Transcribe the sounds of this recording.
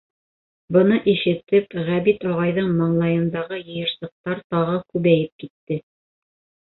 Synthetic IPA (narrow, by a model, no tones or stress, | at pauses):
bɤ̆nɤʔiʃɘ̆t̪ɘpʁæβit̪ɒʁɑjðɤɴmɑɴlˠɑjɤ̆nd̪ɑʁɤjɤ̆jɤ̆ɾsɤ̆q̚t̪ɑɾt̪ɑʁɤkʉβæjɘp̚kit̪ːɘ